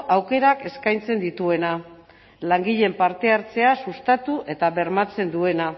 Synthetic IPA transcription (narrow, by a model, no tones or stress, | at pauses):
awke̞ɾake̞skajnt͡se̞nd̪it̪ue̞na | laŋɡiʎe̞mpaɾt̪e̞aɾt͡se̞asust̪at̪uʔe̞t̪aβe̞ɾmat͡se̞nd̪ue̞na